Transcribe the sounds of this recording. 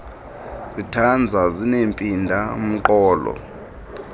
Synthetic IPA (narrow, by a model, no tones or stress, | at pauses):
zitʰand͡zʱazinempʼindʱam̩ǃɔːlɔ̰